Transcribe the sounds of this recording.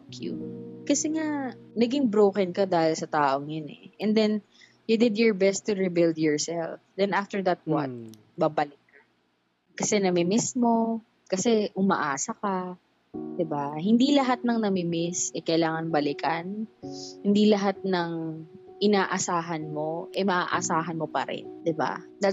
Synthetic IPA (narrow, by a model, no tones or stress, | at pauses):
kʰjṵkɐsɛŋanɐɡɪŋbɾoːkɛnkɐd̪aːhɪlsɐt̪aːʔoŋjonɛ̰ʔɛnd̪ɛn | jud̪ɪd̪jɔɹbɛst̪ːʊɹibɪld̪jɔɹsɛlfd̪ɛnʔaft̪ɛɹd̪ɐt̪̚wa̰t̪̚ | bɐbɐlɪk̚ːɐn | kɐsɛnɐmɪmɪsmo̞ | kɐsɛʔʊmɐ̰ʔaːsɐkɐ | d̪̥ɪbahɪnd̪ilɐɦat̪̚nɐŋnɐmɪmɪsʔɛkɐʔɪlaːŋɐnbɐlɪkɐnhɪnd̪ilɐɦat̪̚nɐŋ | ʔɪnaːʔɐsaːɦɐnmo̞ʔɛmɐʔa̰ːʔɐsaːɦɐnmo̞pɐ̰ɾɪ̰nd̪ɪba̰d̪a